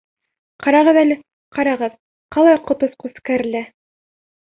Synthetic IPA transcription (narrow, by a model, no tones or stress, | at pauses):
qɑɾɑʁɤðælɘ | qɑɾɑʁɤð | qɑlˠɑjqŏt̪ŏsqʉskæɾɘ̆læ